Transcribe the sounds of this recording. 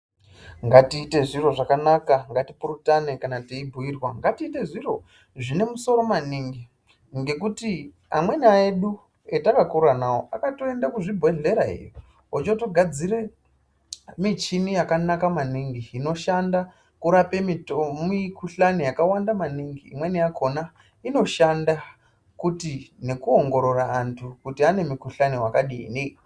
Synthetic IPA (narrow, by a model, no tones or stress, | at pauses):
ŋɡatiːte̞ʐiro̞ʐakanakaŋɡatipurutanekanatiibʱuirwaŋɡatiːte̞ʐiro̞ | ʐine̞muso̞ɾo̞maniŋɡi | ŋɡe̞kuti | a̰mwe̞naeɗu | etakakuranawoʔakato̞e̞ndakuʐibʱwe̞ne̞ɾaɦḭji | ot͡ʃoto̞ɡʱad͡zire̞ | mit͡ʃinijakanakamaniŋɡiːno̞ʃanda | kuɾape̞mimikʰuɬanijakawandamaniŋɡḭːmwe̞nijakʰo̞na | ino̞ʃanda | kutine̞kuoŋɡo̞ɾo̞raːntʰukutiane̞mukuɬaniwakaɗḭne